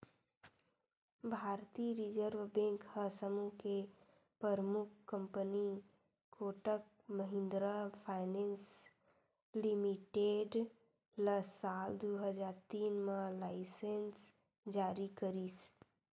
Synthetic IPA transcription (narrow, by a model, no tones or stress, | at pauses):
bʱaːɾt̪iɾɪd͡ʒəɾʋbẽŋkhəsəmuke | pəɾmʊk̚ʰkːə̃mpəni | koːʈək̚ | məɦɪ̃nd̪ɾapʰaːɪnẽns | limiʈeːɖ | ləsaːld̪oɦəd͡ʒaːɾt̪iːnmãlaːɪsens | d͡ʒaːɾikəɾiːs